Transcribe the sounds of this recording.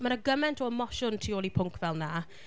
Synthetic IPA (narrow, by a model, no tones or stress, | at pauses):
maɾəɡəmɛntʰɔəmɔʃʊntʰioːlˠipʰʊŋkʰvɛlˠna